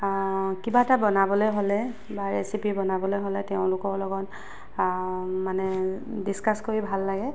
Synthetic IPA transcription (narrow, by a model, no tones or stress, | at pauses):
kibatabɔnabɔlojɦolɛ | baɹesipibɔnabɔlojɦolɛtɛʊ̃lʊkɔɹlɔɡɔn | manɛdiskaskoɹibʱalːaɡɛ